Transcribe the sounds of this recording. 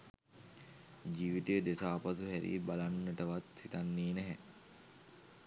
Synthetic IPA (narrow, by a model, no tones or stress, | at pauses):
d͡ʒiːʋit̪ejəd̪esaːpasuɦæɾḭbalanːəʈəʋat̪sit̪anːiːnɛɦɛ